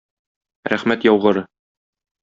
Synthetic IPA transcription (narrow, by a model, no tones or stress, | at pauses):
ɾæ̰χmæt̪jɒwʁɤ̆ɾɤ